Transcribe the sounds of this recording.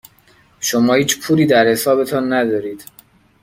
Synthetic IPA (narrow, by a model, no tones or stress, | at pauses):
ʃomɒːhiːt͡ʃpʰuːɾiːd̪æɾhe̞sɒːbe̞t̪ʰɒnːæd̪ɒːɾiːd̪̥